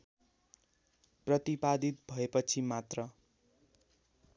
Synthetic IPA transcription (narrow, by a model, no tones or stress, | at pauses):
prʌt̪ipad̪it̪̚bʱʌepʌt͡sʰimat̪rʌ